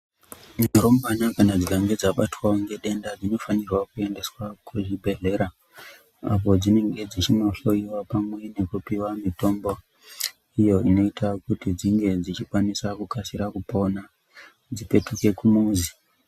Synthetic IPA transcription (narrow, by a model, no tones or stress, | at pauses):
ɲeɾombanakanad͡zikaŋɡe̞d͡zaɓatwaoŋɡe̞ɗe̞ndad͡zino̞fanirwakue̞nde̞swakʰuʐibʱe̞ɮe̞ɾa | a̰po̞d͡zine̞ŋɡe̞d͡zit͡ʃino̞ɬo̞iwapamwe̞ne̞kupiwamito̞mbo̞ | ijo̞ino̞itʰakutid͡ziŋɡe̞d͡zit͡ʃikwanisakukasiɾakupo̞na | d͡zipe̞tuke̞kumuːzi